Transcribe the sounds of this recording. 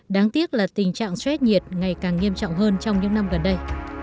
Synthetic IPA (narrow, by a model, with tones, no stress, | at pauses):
ɗaː˨˦ŋt̪i˦˥ət̚laː˨˩t̪ï˨˩ŋ̟t͡ɕa̰ː˧˨ŋswɛ˦˥t̚ɲi˨˩ət̚ŋa˨˩jkaː˨˩ŋːi˧əmt͡ɕɔ̰˧˨wŋ͡mɦəː˧nt͡ɕɔ˧wŋ͡mɲɨ̰˧˥ŋna˧mɣə˨˩nɗə˧j